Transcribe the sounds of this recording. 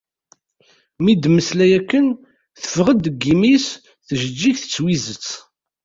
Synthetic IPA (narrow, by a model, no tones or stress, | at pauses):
mid̪məslæjækːən | θə̥fʁəd̪ɡːimis | θʒəd͡ʒːiçθə̥t͡sːwizət͡sː